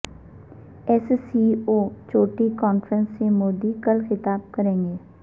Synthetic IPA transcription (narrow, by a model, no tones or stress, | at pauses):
ɛssioːt͡ʃoːʈikɔːnfɾə̃nsːemoːd̪ikɐlxɪt̪aːb̚kɐɾẽːŋɡeː